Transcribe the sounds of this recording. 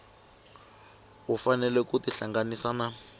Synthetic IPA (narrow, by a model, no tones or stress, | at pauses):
ufanɛlɛkutiɬaŋɡanisaːna